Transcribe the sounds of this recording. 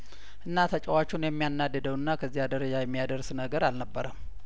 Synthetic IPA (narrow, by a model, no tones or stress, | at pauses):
ʔɨnːat̪ʰət͡ʃʼəwat͡ʃːunjɛmːijanːad̪ːəd̪əwɨnːakʰəzːihad̪əɾəd͡ʒajɛmːijad̪əɾsnəɡəɾalnəbːəɾəm